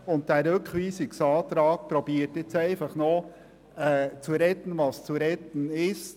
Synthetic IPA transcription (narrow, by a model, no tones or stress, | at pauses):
ʊnt̚d̥ɛːɾʏkχʋiːsɪksɑːtɾɑːkpɾobiːətjɛt͡sæɪfɑχno | ɛːt͡suɾɛt̪ən̩ʋɑst͡suɾɛt̪ən̩ɪst